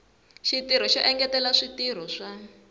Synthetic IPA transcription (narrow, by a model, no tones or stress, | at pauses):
ʃitiɾ̤ɔʃɔʔɛŋɡɛtɛlaʂitiɾ̤ɔʂa